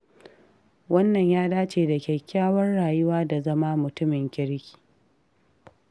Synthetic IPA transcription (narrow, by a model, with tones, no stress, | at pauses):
wɐ˦nːɐ˨ɲjaː˦daː˦t͡ʃeː˨da˨kʲeː˨kʲaː˦wɐ˦nɽaː˨jʊ˦waː˦da˨zɐ˦ma˦mʊ˨tʊ˦mɪ˨ŋkʲɪ˦ɽkʲi̥ː˨